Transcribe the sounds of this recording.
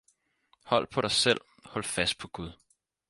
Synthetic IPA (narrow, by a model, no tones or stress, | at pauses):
hɒ̽l̰pʰɒ̽ɾɑ̈ɪsel̰ | hɒ̽l̰fæsd̥̚pʰɒ̽ɡ̥uðˠ